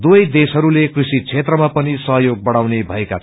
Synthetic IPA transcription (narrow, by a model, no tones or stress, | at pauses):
d̪ujd̪esɦʌɾulekrusit͡sʰet̪rʌmapʌnisʌɦjoɡ̚bʌɽawnebʱʌekat͡sʰ